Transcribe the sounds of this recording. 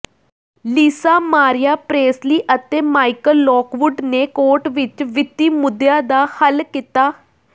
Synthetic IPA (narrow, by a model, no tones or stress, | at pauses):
liːsaːmaːɾɪjaːpɾeːsliːʔət̪eːmaːikəlːɔːkʋʊɖneːkoːɾʈʋɪt͡ʃʋɪt̪ːiːmʊd̪jaːd̪aːhəlkɪt̪aː